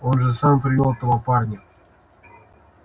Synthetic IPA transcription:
onʐɨsampɾʲɪvʲelˠt̪ovopɑrnʲɪ

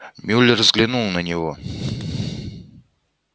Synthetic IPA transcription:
mʲʉlʲːɪrzɡlʲɪnulˠnənʲɪvo

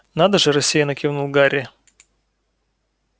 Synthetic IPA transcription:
nad̪əʐɨɾɐsʲːijɐnɐkʲivnulˠɡaɾʲɪ

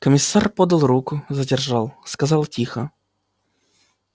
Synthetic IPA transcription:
kəmʲɪsːarpod̪ɐlˠɾukʊzədʲɪrʐalˠskɐzɑlˠtʲixə

